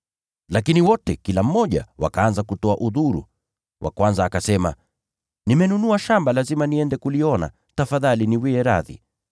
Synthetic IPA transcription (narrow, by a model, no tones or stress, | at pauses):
lakiniwɔtɛkilam̩mɔʄa̰wa̰kaanzakutɔaʔuðuɾṵ | wʔa̰kwanzaːkasɛma̰ | nimɛnunuaʃambalazimaniɛndɛkuliɔna̰ | tafaðaliniwɛɛɾaðḭ